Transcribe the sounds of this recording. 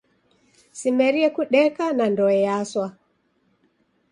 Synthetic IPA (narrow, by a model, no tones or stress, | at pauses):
simɛɾiɛkuɗɛkanandɔɛjaswa